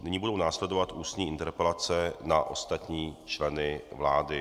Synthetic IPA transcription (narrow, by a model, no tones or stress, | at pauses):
nɪɲiːbudownaːslɛdovat̪ʔuːst̪ɲiːʔɪnt̪ɛɾpɛlat͡sɛnaʔo̞̰st̪at̪ɲiːt͡ʃlɛnɪvlaːdɪ